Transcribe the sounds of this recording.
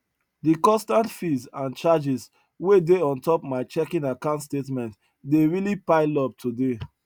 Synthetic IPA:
dikɔ̃nstãntfizãnt͡ʃad͡ʒis | wedeɔ̃ntɔpmaɪt͡ʃɛkĩnakãntstetmɛ̃nt | deɹilipaɪlɔp̚tʰude

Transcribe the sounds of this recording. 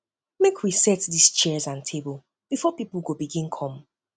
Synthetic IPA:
mekʰwisɛtdist͡ʃɛzãntʰebəlˠ | b̥ifɔpiplˠɡobiɡĩnkʰɔ̃m

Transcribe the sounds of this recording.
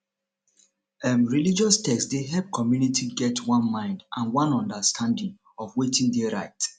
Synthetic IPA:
ɛmɹilid͡ʒɔstʰɛksdeɦɛlp̚kʰɔmjunitʰiɡɛtwɔ̃nmãɪ̃ndʔãnwɔ̃nɔ̃ndəstʰãndĩŋ | ɔfwetĩndeɹaɪt

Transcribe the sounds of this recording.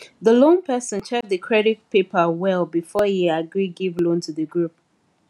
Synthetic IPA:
ðəlõnpʰɛsə̃nt͡ʃʰɛk̚d̪əkʰɹɛɾit̚pepəwɛlˠbifɔhiaɡɹiɡivlõntʰuðəɡɹup̚

